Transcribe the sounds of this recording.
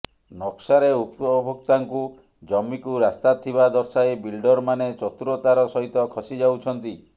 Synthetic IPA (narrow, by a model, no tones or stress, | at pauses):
nɔksaɾeupɔbʱɔk̚t̪aŋku | d͡ʒɔmːikuɾast̪at̪ʰːibad̪ɔɾsaebilɖɔɾmanet͡ʃɔt̪uɾot̪aɾɔsɔɦit̪ɔkʰɔsid͡ʒawt͡ʃʰɔnt̪i